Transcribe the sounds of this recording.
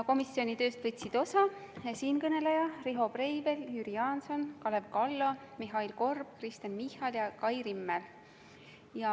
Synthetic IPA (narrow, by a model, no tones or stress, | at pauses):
ko̞misio̞nʲit̪ø̞ːst̪vɤt̪ʲsid̪̥o̞sɑsiːnkɤne̞lejɑriɦo̞prejve̞lyɾiɑːnso̞nkɑle̞vkɑlːomiɦɑilko̞rb̥̚krist̪enmihːɑljɑkɑjrimːel | jɑ